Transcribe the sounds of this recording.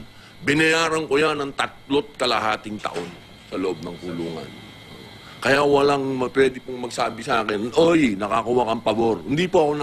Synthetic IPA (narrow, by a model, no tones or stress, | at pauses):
bɪnɐjaːɾɐŋkojanɐŋt̪ɐt̪̚lo̞t̪̚kɐlɐ̰ɦaːt̪ɪŋt̪ɐ̰ʔo̞n | sɐloʔob̚nɐŋkʊluːŋɐ̰n | o | kɐjawɐlaŋmɐpwɛːd̪ɪpʊŋmɐɡ̚saːbɪsʔaːkɪnʔojnɐkakʊwakɐŋpɐbo̞ɾhɪnd̪ipoʔɐko̞nɐ